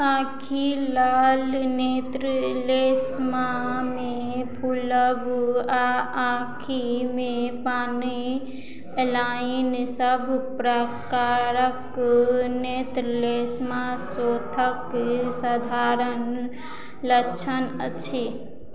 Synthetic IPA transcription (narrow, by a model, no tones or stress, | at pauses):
ãkʰilalnet̪ɾəlesmame | pʰuləbaãkʰimepani | lainsəbʱpɾəkaɾək | net̪ɾlesmasot̪ʰəksəd̪ʱaɾən | lət͡ʃʰənət͡ʃʰi